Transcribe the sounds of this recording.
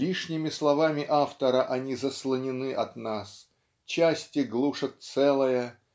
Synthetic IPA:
lʲiʂnʲɪmʲɪslˠɐvamʲɪʔaft̪əɾəʔɐnʲizəslˠənʲɪnɨʔɐt̪nas | t͡ɕasʲtʲɪɡlˠuʂət̪̚sɛlˠəjə

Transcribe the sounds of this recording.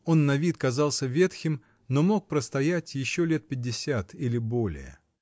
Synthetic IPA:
o̞nːɐvʲit̪kɐzɑlˠsʲəvʲe̞t̪xʲɪm | no̞mo̞k̚pɾəst̪ɐjætʲjɪɕːo̞lʲe̞t̪̚pʲɪdʲːɪsʲat̪ilʲɪbo̞lʲɪ̰jə̰

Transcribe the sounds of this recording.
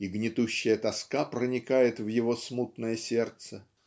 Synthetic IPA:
iɡnʲɪt̪uɕːɪjət̪ɐskapɾənʲɪkajɪt̪vjɪvo̞smut̪nəjəsʲe̞rt̪sə

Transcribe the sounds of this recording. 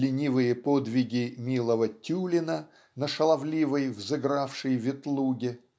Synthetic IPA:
lʲɪnʲivɨjəpod̪vʲɪɡʲɪmʲilˠəvətʲulʲɪnə | nəʂəlˠɐvlʲivəjvzɨɡɾafʂɨjvʲɪt̪lˠuɡʲɪ

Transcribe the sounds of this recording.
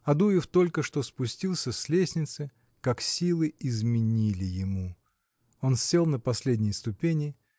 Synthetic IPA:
ɐd̪ujɪft̪o̞lʲkəʂt̪o̞spʊsʲtʲilˠsʲəsʲlʲesʲnʲɪt̪sɨ | kaksʲilˠɨɪzmʲɪnʲilʲɪjɪmu | o̞nsʲe̞lˠnəpɐsʲlʲedʲnʲɪjəst̪ʊpʲenʲɪ

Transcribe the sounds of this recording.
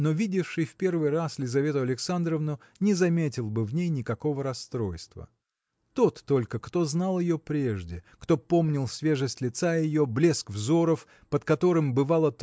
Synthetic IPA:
no̞vʲidʲɪfʂɨjfpʲe̞rvɨjraslʲɪzɐvʲe̞t̪ʊɐlʲɪksand̪ɾəvnʊ | nʲɪzɐmʲetʲɪlˠbɨvnʲejnʲɪkɐko̞vəɾɐst̪ɾo̞jst̪və̰ | t̪o̞t̪ːo̞lʲkəkt̪o̞znalˠjɪjopɾʲeʐdʲɪkt̪o̞po̞mnʲɪlˠsʲvʲe̞ʐɨsʲtʲlʲɪt̪sajɪjo̞blʲe̞skvzo̞ɾəf | pət̪kɐt̪o̞ɾɨmbɨvɑlˠət̪

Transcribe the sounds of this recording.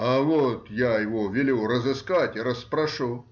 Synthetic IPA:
ɐʋot̪jajɪʋovʲɪlʲurəzɪskatʲɪɾəspɾɐʂu

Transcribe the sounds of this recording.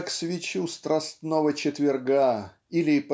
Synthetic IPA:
ksvʲɪt͡ɕust̪ɾɐst̪novət͡ɕɪt̪vʲɪrɡa | ilʲɪp

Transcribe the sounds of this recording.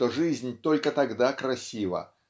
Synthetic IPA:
oʐɨzʲnʲt̪o̞lʲkət̪ɐɡd̪akɾɐsʲivə̰

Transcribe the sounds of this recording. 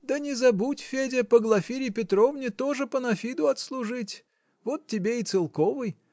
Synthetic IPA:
d̪ənʲɪzɐbutʲfʲedʲɪpəɡlˠɐfʲiɾʲɪpʲɪt̪rovnʲɪt̪o̞ʐɨpənɐfʲid̪ʊɐt̪slˠʊʐɨtʲ | vot̪ːʲɪbʲeɪt̪sɨlˠko̞vɨj

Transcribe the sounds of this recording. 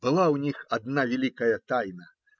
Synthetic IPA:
b̥ɨlˠawnʲixad̪navʲɛlʲikɐjɐt̪ajnɐ

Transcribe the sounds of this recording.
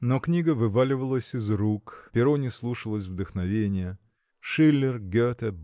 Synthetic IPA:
noknʲiɡəvɨvalʲɪvəlˠəsʲɪzɾukpʲɪɾonʲɪslˠuʂəlˠəsʲvd̪əxnɐvʲenʲɪjə | ʂɨlʲːɪrɡʲøt̪ə

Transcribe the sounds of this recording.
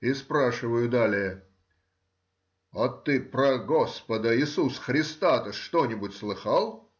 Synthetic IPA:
ɪspɾaʂɨvəjʊd̪alʲɪjə | ɐt̪ɨpɾəɡospəd̪əɪsusxɾʲɪst̪at̪əʂt̪onʲɪbʊtʲslˠɨxalˠ

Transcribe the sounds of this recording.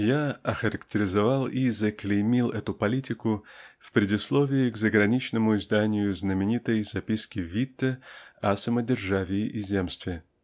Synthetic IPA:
jaɐxəɾəktʲɪɾʲɪzɐvalˠizəklʲɪmʲilˠɛt̪ʊpɐlʲitʲɪkʊfpɾʲɪdʲɪslˠovʲɪɪɡzəɡɾɐnʲit͡ɕnəmʊɪzd̪anʲɪjʊznəmʲɪnʲit̪əjzɐpʲiskʲɪvʲit̪ːəɐsəmədʲɪrʐavʲɪːʔizʲemst̪vʲɪ

